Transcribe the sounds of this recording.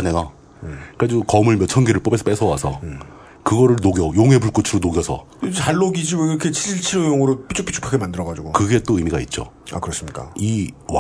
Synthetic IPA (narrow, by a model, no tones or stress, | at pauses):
nena | k͈ad͡ʑukʌmɯɭmjʌt͡ɕʰʌŋɡeɾɯɭp͈obe̞sʰʌp͈esʰʌwasʰʌ | kɯɡʌɾɯɭnoɡjʌjoŋɦe̞puɭk͈ot͡ɕʰiɾonoɡjʌsʰʌ̰ | t͡ɕaɭːoɡid͡ʑibiɾʌkʰet͡ɕʰiɾiɭt͡ɕʰiɾojoŋɯɾopit͡ɕ͈okpʰit͡ɕʰu̥pʰaɡʰemandɯɾʌɣad͡ʑuɡokɯɡe̞t͈oɯmiɡait̚t͡ɕ͈o̰ | a̰kɯɾʌs͈ɯmɲik͈a̰iw